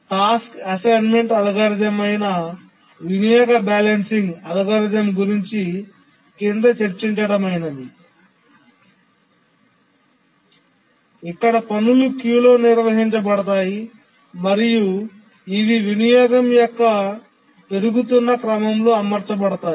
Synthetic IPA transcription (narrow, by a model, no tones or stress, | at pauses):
ʈaːskɐsɐjnme̞ɳʈɐd̪ɐɡaɾid͡ʒɐmɐjnɐ | ʋinijɔːɡɐbaːlensiŋɡɐd̪ɐkaːɾid͡ʒɐmɡuɾiɲt͡ʃi | kind̪ɐt͡ʃeɾt͡ʃiɲt͡ʃɐɽɐmɐjnɐd̪i | ikːɐɽɐpɐnulukjuːlo̞ːniɾʋɐɦiɲt͡ʃɐpɐɽɐt̪aːji | mɐɾiju | iʋiʋinijɔːɡɐmjɔkːɐ | p̪e̞ɾuɡut̪̬unːɐkɾɐmɐmlo̞ːɐmɐɾt͡ʃɐpɐɽɐt̪aː